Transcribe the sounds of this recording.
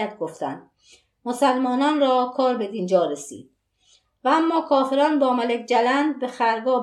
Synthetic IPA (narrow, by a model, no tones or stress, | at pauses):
æt̪̚ʰɡoft̪ænd̪ | mosælmɒːnɒːnrɒːkʰɒːɾbe̞d̪iːnd͡ʒɒːɾesḭːd̪̥̚ | vææmːɒːkʰɒːfe̞ɾɒːnbɒːmælekʰd͡ʒælænd̪̚be̞xæɾɡɒː